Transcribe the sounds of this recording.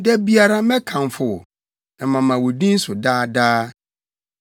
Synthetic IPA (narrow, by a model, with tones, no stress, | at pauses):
dɛ˦bi˦a˨ɾa˦mɛ̃˦kʰã˨n˨fʊ˨ | ɛ˨mã˨mã˨wɔ˨dĩ˦n̩˦sʊ˨daː˦daː˦